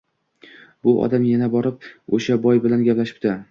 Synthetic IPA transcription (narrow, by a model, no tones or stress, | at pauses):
bʊʔɒ̰d̪amjanabɒɾɪp̚oʃabɒjbɪlanɡʲaplaʃɪ̥p̚d̪ɪ